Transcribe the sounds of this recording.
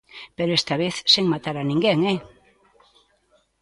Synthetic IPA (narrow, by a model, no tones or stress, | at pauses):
peɾoest̪aβeθseŋmat̪aɾanĩŋɡeŋɛ